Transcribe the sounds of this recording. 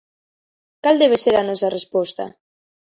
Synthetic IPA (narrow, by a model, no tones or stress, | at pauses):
kald̪eβ̞eseɾanɔs̬arespɔst̪a̰